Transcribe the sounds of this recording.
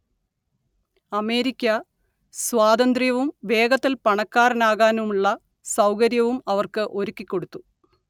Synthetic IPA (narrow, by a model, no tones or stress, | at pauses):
ɐme̞ːɾikʲːɐ | swaːd̪ɐnd̪rjɐʋumʋe̞ːɡɐt̪ːilpɐɳɐkːaːɾɐnaːɣaːnumuɭːɐ | sɐwkɐɾjɐʋumɐʋɐrkɨʔo̞ɾukʲːikʲːo̞ɽut̪ːu